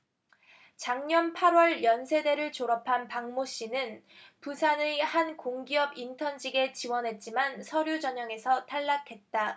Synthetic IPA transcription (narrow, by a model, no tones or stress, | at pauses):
t͡ɕaŋɲʌnpʰaɾwʌɭjʌnsʰede̞ɾɯɭt͡ɕoɾʌpʰanpaŋmoɕ͈inɯn | pusʰanehankoŋɡiʌbintʰʌnd͡ʑiɡe̞t͡ɕiwʌnɦe̞t̚t͡ɕ͈imansʰʌɾjud͡ʑʌɲʌŋe̞sʰʌtʰaɭːakʰe̞t̚t͈a